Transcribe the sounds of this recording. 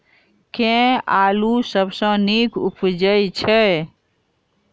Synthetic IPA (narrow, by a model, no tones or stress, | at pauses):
kẽalusəbsə̃nikʰṵpd͡ʒəjt͡ʃʰɛ